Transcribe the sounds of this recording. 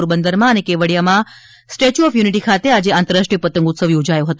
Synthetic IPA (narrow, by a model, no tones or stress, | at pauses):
oɾbənd̪əɾmãənekeʋəɽijamã | sʈet͡ʃuɔfjuniʈ̬ikʰat̪ead͡ʒeãnt̪əɾaʂʈɾiəpət̪əŋɡut̪səʋjod͡ʒajõɦət̪ũ